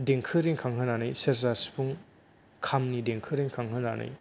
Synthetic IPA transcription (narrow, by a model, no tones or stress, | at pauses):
deŋkʰɯɾiŋkʰaŋɦɯnanɯjsezaspʰuŋ | kʰamnideŋkʰɯɾiŋkʰaŋɦɯna̰nʔɯ̰j